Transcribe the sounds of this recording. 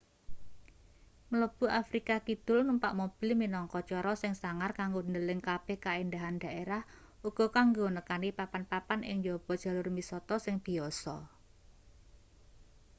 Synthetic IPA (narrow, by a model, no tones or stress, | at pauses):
mələb̥ṳʔafɾikakid̪̥ʊ̤lməmpa̰ʔmob̥i̤lminɔŋkɔt͡ʃɔɾɔsɪŋsaŋarkaŋɡond̪əlɪŋkab̥ehkaind̪aɦand̪̥a̤ʔeɾah | uɡ̥ɔ̤kaŋɡonəkanipapanpapanɪ̰ŋjɔb̥ɔ̤d̥ʒ̥a̤lʊrmisɔt̪ɔsɪŋd̪̥i̤ɔsɔ̰